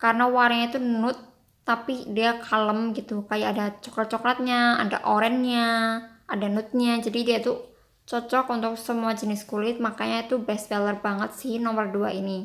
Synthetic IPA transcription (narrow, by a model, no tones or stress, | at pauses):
kaɾənawaɾaɲat̪unʊt̪ː | apidiakʰaləmɡit̪ukajakadat͡ʃɔ̥klat̪̚t͡ʃɔklat̪̚ɲaa̰da̰ʔoɾɛnɲaʔadanʊt̪̚ɲad͡ʒadidiat̪u | t͡ʃɔt͡ʃɔkunt̪ʊk̚səmuad͡ʒənɪskulɪt̪̚makaɲait̪ubɛsbɛlərbaŋət̪sɪhnɔmərduaʔini